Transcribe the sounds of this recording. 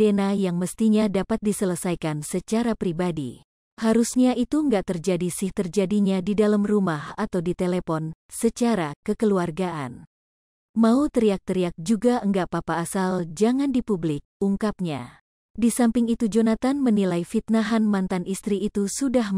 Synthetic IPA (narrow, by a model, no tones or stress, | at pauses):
d̥enajaŋməst̪iɲadapat̪̚disələsajkansət͡ʃaɾapɾibadḭ | haɾusɲait̪uŋɡaʔt̪ərd͡ʒadisɪht̪ərd͡ʒadiɲadidalamrumahat̪awdit̪elepɔn | sət͡ʃaɾakəkəluarɡaʔan | maut̪əɾiak̚t̪əɾiak̚d͡ʒuɡaʔəŋɡaʔpapaːsald͡ʒaŋandipublɪk̚uŋkap̚ɲa | disampɪŋit̪ud͡ʒonat̪anmənilajfit̪̚naɦanmant̪anʔist̪ɾiːt̪usudah